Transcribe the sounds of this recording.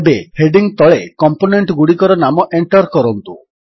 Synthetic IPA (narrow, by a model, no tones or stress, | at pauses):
beheɖiŋt̪ɔɭekɔmponeɳʈɡuɽikɔɾɔnamɔʔeɳʈɔɾkɔɾɔnt̪u